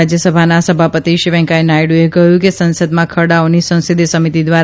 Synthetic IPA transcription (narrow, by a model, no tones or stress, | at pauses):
d͡ʒjəsəbʱanasəbʱapət̪iʃiʋɛ̃ŋkaenajɽuekəjũkesə̃nsəd̪mãkʰəɽaonisə̃ñsid̪ʱisəmit̪id̪ʋaɾ